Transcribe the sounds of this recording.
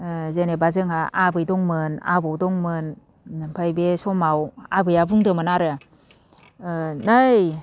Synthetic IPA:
zenebazɯŋaʔabɯjdɔŋmɯna̰bawdɔŋmɯnː | ɯmpʰajbesɔmawabɯjabuŋdɯmɯnaɾɯ | naj

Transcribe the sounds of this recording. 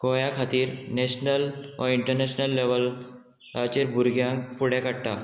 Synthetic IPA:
kojakʰat̪iːɾneɕnəlʋʔa̰iɳʈəɾneɕnəlːeʋəl | ɾat͡ɕeɾbʱuɾɡjãŋkfuɽjakaɽʈa

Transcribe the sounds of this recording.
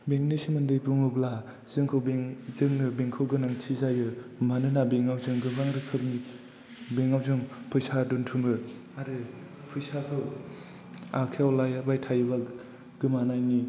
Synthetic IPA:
beŋnisimɯndɯjpuŋɯbla | z̥ɯŋkʰɯwbeŋzɯŋnɯbeŋkʰɯwɡɯnaŋtʰizajɯmanɯnabeŋawzɯŋɡɯbɡaŋɾɯkʰɯp̚ni | beŋawzɯŋpʰujsaduntʰumɯ | aɾɯ | pʰujsakʰɯw | akʰeawlajbajtʰajɯba | ɡ̥ɯmanajni

